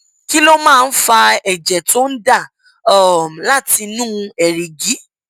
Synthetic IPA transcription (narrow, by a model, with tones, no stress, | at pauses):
ki˦lo˦mãː˦˧n̩˦fa˧ɛ˨d͡ʒɛ˨to˦n̩˦da˦˨ | ɔ˨m˨la˦˨ti˧nũː˦ɛ˨ɾe˨ɡi˨˦